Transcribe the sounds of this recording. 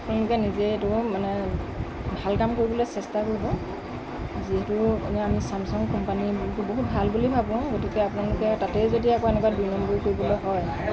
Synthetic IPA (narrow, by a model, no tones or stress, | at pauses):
apʊnalʊkɛnizɛtʊmanɛ | bʱalkamkoɹibɔlojsɛstakoɹibɔ | ziɦɛtʊnɛamisamsɔŋkɔmpanibutuboɦut̚bʱalbulibʱabɔ̃ɡotikɛapʊnalʊkɛtatɛzodiakɔɛnɛkwadujnɔmbɔɹikoɹibɔlɔjɦɔj